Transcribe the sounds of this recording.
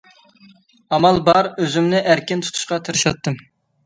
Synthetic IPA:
ɑmɑlˠbɑɾøzymnɪʔæɾkʲɪnt̪ʰu̥t̪ʰu̥ʃqɑt̪ʰɨɾɨʃɑt̪ːɨm

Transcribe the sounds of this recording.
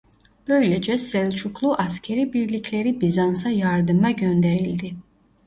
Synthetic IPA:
b̥ø̞jled͡ʒɛsɛlʲt͡ʃʰuklˠuʔascʰeɾibiɾlʲicʰlʲe̞ɾibizansajaɾd̪ɯmaɟønd̪eɾilʲd̪i

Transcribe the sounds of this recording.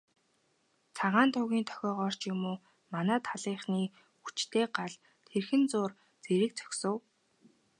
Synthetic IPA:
t͡sʰaʁaːnt̪ʰʊɣʲiːnt̪ʰɔ̥xʲɔːʁɔːr̥t͡ɕjʊmoː | manæːt̪ʰaɮiːχniː | xut͡ɕt̪ʰeːɢaɮ | t̪ʰerxɘ̆nt͡sʊːr | t͡seɾɘ̆k̚t͡sœ̥xʲsə̆w

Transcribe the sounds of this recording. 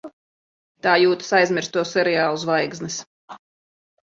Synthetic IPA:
t̪aːjuːt̪ḁsajzmʲɪɾst̪uɔsːɛɾɛjaːlˠuzvajɡznis

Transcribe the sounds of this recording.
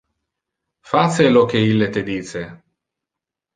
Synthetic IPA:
faselok̟eilːet̪ed̪iːt͡ʃe

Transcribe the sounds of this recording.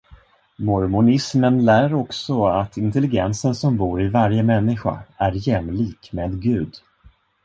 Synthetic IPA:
mɔɾmʊnɪsmənlæːɾɔksɔat̪ʰɪnt̪ɛlɪɡɛnsənsɔmbuːɾɪvaɾjəmɛnːɪɧa̰æɾjɛmːliːkmeːd̪ɡʉ̟ːd̪

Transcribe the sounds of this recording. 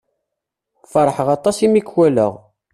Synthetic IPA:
fɑɾˤħəʁɑt̪ˤɑsimikwælə̰ʁ

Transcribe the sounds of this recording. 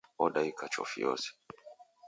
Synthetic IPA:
ɔɗaikat͡ʃɔ̰fḭjɔ̰sɛ̥

